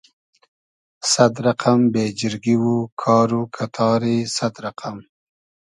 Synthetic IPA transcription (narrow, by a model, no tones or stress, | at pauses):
sad̪ɾaqambed͡ʒɪɾɡiwukʰɑːɾukʰat̪ʰɑɾisad̪ɾaqʰam